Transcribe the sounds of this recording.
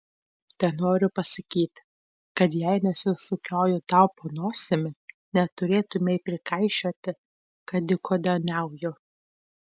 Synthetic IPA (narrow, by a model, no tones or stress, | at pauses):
t̪ʲɛnoːɾʲʊpɐsɐkʲiːt̪ʲ | kɐt̪jɛɪnʲɛsʲɪsʊkʲoːjʊt̪ɐʊponoːsʲɪmʲɪ | nʲɛt̪ʊɾʲeːt̪ʊmʲɛɪpʲɾʲɪkɐɪʃʲoːt̪ʲɪ | kɐd̪ʲɪkʰoːd̪ʲɛnʲɛˑʊjʊ